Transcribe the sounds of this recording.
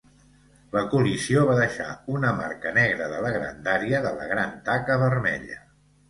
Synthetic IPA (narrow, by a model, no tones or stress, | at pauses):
ləkulisioβaðəʃa̰unəma̰rkənɛɣɾəðələɣɾa̰nd̪aɾiəðələ̰ɣɾant̪akəβərmɛ̰ʎə